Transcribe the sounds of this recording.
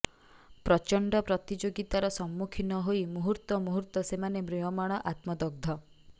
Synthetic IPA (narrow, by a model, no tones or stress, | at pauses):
pɾɔt͡ʃɔɳɖɔpɾɔt̪id͡ʒoɡit̪aɾɔsɔmːukʰinɔɦojmuɦuɾt̪ɔmuɦuɾt̪ɔsemanemɾujɔmaɽ̃ɔʔat̪mɔd̪ɔɡ̚d̪ʱɔ